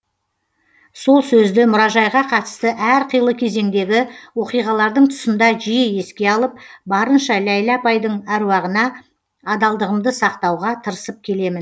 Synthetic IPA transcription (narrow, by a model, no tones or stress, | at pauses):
so̞lˠsɵzd̪ɪmʊɾɑʒɑjʁɑqʰɑt̪ə̥st̪əʔæɾqʰəjəlˠəkʲʰe̞ze̞ŋd̪e̞ɡʲɪwo̞qijʁɑlˠɑɾd̪əɴt̪ʰʊ̥sənd̪ɑʒijeje̞skʲe̞ɑlˠəp̚bɑɾənʃɑlæjlapɑjd̪əɴæɾuwɑʁənɑː | d̪ɑlˠd̪əʁəmd̪əsɑqt̪ɑwʁɑt̪ʰəɾəsəp̚kʲʰe̞le̞mɪn